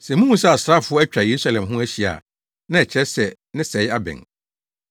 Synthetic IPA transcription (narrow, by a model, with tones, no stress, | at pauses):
sɛ˨mũ˦hũ˦sɛ˦˨a˨sɾa˦˨fʊ˦ɔ˦æ˦t͡ɕᶣa˨je˨ɾu˦sa˦lɛ̃˨mɦʊ̃˦æ˦ɕi˨a̰˨ | nã˦ɛ˨t͡ɕʰɛ˦sɛ˨ | nɪ̃˦sɛ˨˦ja˦bɛ̰̃˨ŋ